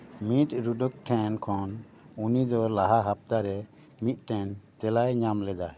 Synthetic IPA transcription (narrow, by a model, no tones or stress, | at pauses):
mit̪ɾuɖɔk̚ʈʰɛnkʰɔn | unid̪ɔlaɦaɦap̚t̪aɾɛ | mit̪̚ˀʈʰɛnt̪ɛlajɲamlɛd̪a